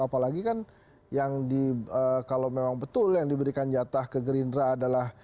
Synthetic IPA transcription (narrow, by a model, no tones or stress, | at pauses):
apalaɡikan | jaŋdiəkalawmemaŋbət̪ʊljaŋdibəɾikand͡ʒat̪ahkəɡəɾindɾaːdalah